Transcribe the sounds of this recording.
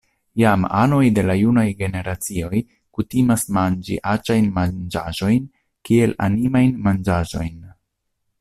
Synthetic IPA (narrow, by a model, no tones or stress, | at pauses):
jama̰no̞jde̞lajunajɡe̞ne̞ɾat͡sio̞j | kutimasmand͡ʒḭʔat͡ʃajnmad͡ʒa̰ʒo̞jn | kie̞la̰nimajnmand͡ʒaʒo̞jn